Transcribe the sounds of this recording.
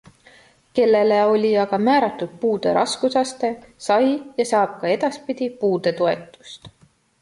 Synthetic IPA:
ke̞lːe̞le̞o̞lʲiɑɡ̥ɑmæːɾɑt̪ːˑud̪̥̚puːd̪̥e̞̰ɾʔɑ̰skusɑst̪e̞sɑjjɑsɑːb̥̚kɑe̞d̪̥ɑspid̪̥ʲipuːd̪̥e̞t̪oe̞t̪ːˑu̥st̪

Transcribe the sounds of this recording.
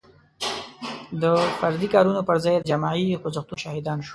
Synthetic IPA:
d̪əfaɾd̪ikɑɾunopəɾzɑj̪d͡ʒamɑixʊzaxt̪uʃɑhɪd̪ɑnʃo̥

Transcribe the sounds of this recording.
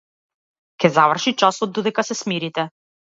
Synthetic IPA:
kʲɛzavr̩ʃit͡ʃasɔd̪̚ːɔd̪ɛkasɛsmiɾit̪ɛ

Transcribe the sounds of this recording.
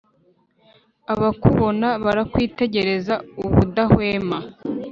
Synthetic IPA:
aβakuβo̞naβaɾakwiːte̞ɟe̞ɾe̞zauβudahweːma

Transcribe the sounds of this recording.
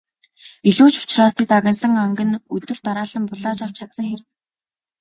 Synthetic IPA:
iɮuːt͡ɕʊ̥t͡ɕraːst̪iːk̚t̪aɣʲə̆nsə̆ŋaŋɡɘ̆nɵt̪ɵ̆r̥t̪aɾaːɮə̆mpʊɮaːt͡ɕaw̥t͡ɕʰaksə̆ŋxerw

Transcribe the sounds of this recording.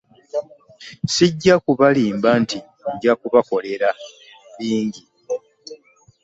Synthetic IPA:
siɟːakuβaliːmbanti | ɟakuβako̞le̞ɾa | βiːɲɟi

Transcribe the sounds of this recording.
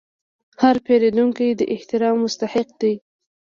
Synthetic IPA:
haɾpeled̪uŋkijd̪əʔɪht̪ɪɾɑmːʊst̪aħɪq̚d̪i

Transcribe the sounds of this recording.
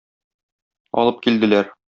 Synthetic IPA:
ɒ̰lˠɤp̚kild̪ɘ̆læɾ

